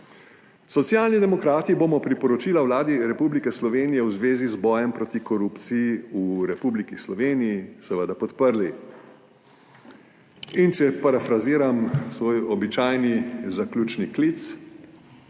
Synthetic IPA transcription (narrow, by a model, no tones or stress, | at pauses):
sɔt̪sjaːlnid̪ɛmɔkɾaːt̪iboːmɔpɾipɔɾɔt͡ʃiːlawlaːd̪iɾɛpublikɛslɔʋeːnijɛwzʋeːzizbɔːjɛmpɾɔːt̪ikɔɾuːpt̪sijiuɾɛpublikislɔʋeːnijisɛʋəd̪apɔt̪pəɾli | int͡ʃɛpaɾafɾaziːɾamsʋoːjɔbit͡ʃajnizaklʲuːt͡ʃniklit̪s